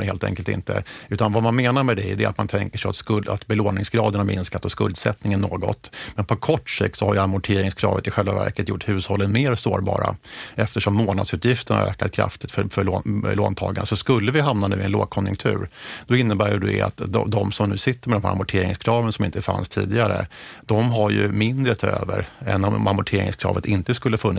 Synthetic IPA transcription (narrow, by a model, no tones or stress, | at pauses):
heːlt̪ɛ̰ŋkəlt̪ɪ̰nt̪ʰə̰ʉ̟ːt̪anvamanmeːnaɾmɛd̪ɛd̪ɛɾat̪mant̪ʰɛŋkəʂɛɪja̰t̪skɵlat̪bɛloːnɪŋsɡɾɑːd̪əɳaɾmɪnskat̪ːɔskɵld̪sɛt̪nɪŋənːoːɡɔ̰t̪mɛnpʰɔkʰɔʈːʂɪk̚t̪sɔhaɾjamʊʈʰeːɾɪŋskʰɾɑ̰ːvət̪ɪɧɛlvavæ̰ɾkət̪jʊʈːhʉ̟ːshɔlːənmeːɾsoːɾbɑ̰ːɾa̰ɛft̪əʂɔmːoːnad̪sʉ̟t̪jɪft̪əɳa̰ø̰ːkat̪̚kʰɾa̰ft̪ɪ̥t̪fœfœɭoːɭoːnt̪ʰɑ̰ːɡaɳəsɔskɵlːəvɪɦamnanʉ̟ːɪɛnlo̰ːɡ̚kʰɔnjɵ̰ŋkt̪ʰʉ̟ːɾd̪̥ɔɪnːəbæːjɵd̪ɛ̰a̰t̪d̪ɔd̪ɔmsɔmnʉ̟ːsɪt̪ːəɾmɛd̪ɔmɦæ̰ɾmʊʈʰeːɾɪŋskʰɾɑːvənsɔmɪnt̪əfa̰nst̪ʰḭːd̪ɪɡaɾə̰d̪̥ɔmɦaɾjɵmɪnd̪ɾət̪ʰɑːø̰ːvə̰ɾɛ̰nːɔmamʊʈʰeːɾɪ̰ŋskʰɾɑ̰ːvət̪ɪnt̪əskɵlːəfɵnːɪ